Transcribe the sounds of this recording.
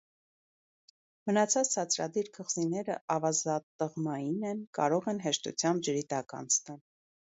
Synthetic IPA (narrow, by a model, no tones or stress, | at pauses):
mənɑt͡sʰɑt͡st͡sʰɑt͡sʰɾɑ̰d̪iɾkʰəʁz̥inɛɾə̰ʔɑvɑzɑt̪ːəʁmɑjinɛnkɑ̰ɾɔʁɛnɦɛʃt̪ṵt͡sʰjɑmb̚d͡ʒəɾit̪ɑkɑ̰nsʰt̪ɑl